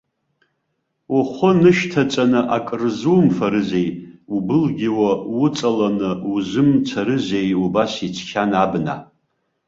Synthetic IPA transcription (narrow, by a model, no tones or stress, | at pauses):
uχʷʊnɨʃtʰat͡sʼanɨʔakʼɨrzuːmfaɾɨze̞jubɨlɡʲɪwawʊt͡sʼalanɨuzʷɨmt͡sʷʰaɾɨze̞jubasit͡ʃʷʰkʲʰanabna̰